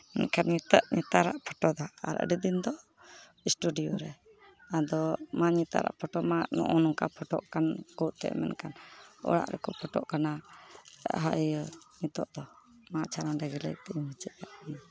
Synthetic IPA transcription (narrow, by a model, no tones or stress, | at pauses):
mɛ̰nkʰanɲit̪əʔɲit̪aɾa̰ʔpʰɔʈɔd̪aa̰ɾə̰ɖəd̪ind̪ɔ | isʈuɖijɔɾɛ | ad̪ɔmaɲit̪a̰ɾa̰ʔpʰɔʈɔmaʔnɔ̰ʔɔnukapʰɔʈɔʔkanɡɔʔt̪ɛ̰mɛ̰nʔkʰanɔ̰ɽa̰ʔɾʔɛ̰kɔpʰɔʈɔʔkana | ɦajnit̪ɔʔd̪ɔ | maʔt͡ʃʰaɾaɖaɡilə̰jk̚t̪ɛmət͡ʃəʔjaʔana